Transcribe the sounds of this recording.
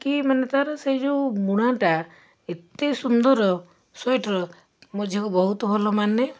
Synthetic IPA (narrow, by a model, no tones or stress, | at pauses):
kimanet̪aɾɔseid͡ʒowmuɽ̃aʈa | et̪ejsund̪ɔɾɔ | sajʈɾɔ | mɔd͡ʒʱjakubɔɦut̪ɔbʱɔlɔmanːe